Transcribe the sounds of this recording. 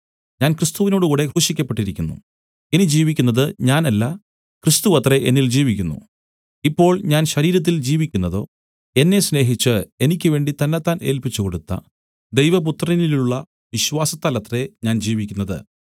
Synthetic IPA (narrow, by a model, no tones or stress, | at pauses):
ɲaːnkrist̪uʋino̞ːɽɨkuːɽe̞kuʂikʲːɐpːe̞ʈːiɾikʲːunːṵ | enid͡ʑiːʋikʲːunːɐðɨɲaːnɐlːɐ | krist̪uʋɐt̪reʔḛnːild͡ʑiːʋik̬ʲːunːṵ | ipːo̞ːɭɲaːnɕɐɾiːɾɐt̪̬ːild͡ʑiːʋikʲːunːɐðo̞ː | e̞nːe̞sne̞ːɦit͡ɕːɨe̞nikʲːɨʋe̞ːɳɖit̪ɐnːet̪ːaːne̞ːlpit͡ɕːuko̞ɽut̪ːɐ̰ | d̪e̞jʋɐp̬ut̪rɐiniluɭːɐ | ʋiɕʋaːsɐt̪ːaːlɐt̪ːre̞ɲaːnd͡ʑiːʋikʲːunːɐðɨ̰